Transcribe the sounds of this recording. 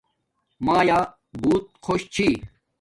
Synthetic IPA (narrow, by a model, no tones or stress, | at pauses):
maːja | buːt̪̚kʰoɕt͡ɕʰi